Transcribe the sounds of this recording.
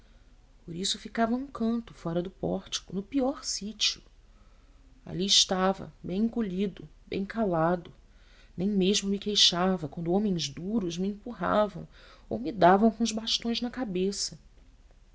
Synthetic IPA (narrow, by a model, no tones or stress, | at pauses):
poɾisʊfikavɐũkʰɐ̃nt̪ʊfɔɾɐd̪ʊpɔɾt͡ʃi̥kʊnʊpiɔɾsit͡ʃiʊ | a̰liɪʃt̪avɐ̰bẽj̃koʎid̪ʊbḛ̃j̃kalad̪ʊ | nẽj̃meʒmʊmɪkejʃavɐkwɐ̃nd̪ʊõmẽj̃zd̪uɾʊzmɪẽmpuɦa̰vɐ̃w̃o̰wmɪd̪avɐ̃w̃kõʊʒbaʃt̪õj̃znɐkabesɐ